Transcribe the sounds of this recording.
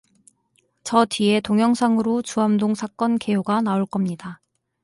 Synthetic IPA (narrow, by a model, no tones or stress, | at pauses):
t͡ɕʌtɥie̞toŋjʌŋsʰaŋɯɾot͡ɕuamdoŋsʰak͈ʌnkejoɡanaoɭk͈ʌmɲida